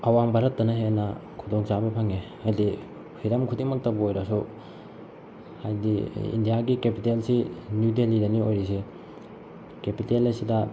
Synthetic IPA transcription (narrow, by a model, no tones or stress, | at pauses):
ɐwambʱaɾɐt̚ːɐnɐɦenɐkʰudoŋsabɐpʰaŋe | adi | pʰiɾɐmkʰudiŋmɐk̚tɐbɐojɾɐsu | hajdḭḭndijaɡikepitelsinjudelidɐniojɾis̬i | kepitelajsidɐ